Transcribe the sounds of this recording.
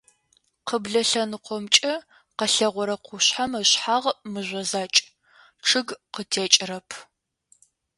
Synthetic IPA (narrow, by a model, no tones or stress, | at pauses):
qəbɮɐɬɐnɨqʷɔmt͡ʃʼɐ | qəɬɐʁʷɔɾɐqʷʊɕħamɐɕħaːʁmɨʑʷɐzaːt͡ʃʼ | ʈ͡ʂʰɨɡqətʰeːt͡ʃʼɪrɐpʰ